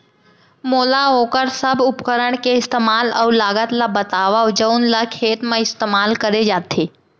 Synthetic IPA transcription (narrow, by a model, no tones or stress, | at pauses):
moːlaoːkəɾsəbʊpkəɾəɽkeɪst̪emaːləlaːɡət̪labət̪aːʋaʊd͡ʒəunlakʰeːt̪mãɪst̪eːmaːlkəɾed͡ʒaːt̪ʰeː